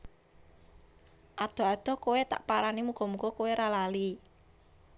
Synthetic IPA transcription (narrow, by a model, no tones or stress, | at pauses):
ʔad̪̥ɔ̤ad̪̥ɔ̤kowet̪a̰ʔpaɾanimuɡ̥ɔ̤muɡ̥ɔkoweɾalali